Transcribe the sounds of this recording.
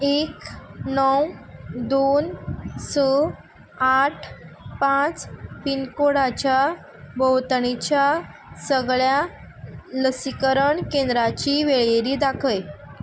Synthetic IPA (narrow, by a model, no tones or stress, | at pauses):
eknəwd̪onsə | aʈʰpãt͡spinkoɽat͡ɕja | bəwt̪ɳit͡ɕjasəɡɭja | ləsikəɾəɳkẽnd̪ɾat͡ɕiʋeɭjeɾiːd̪akʰəj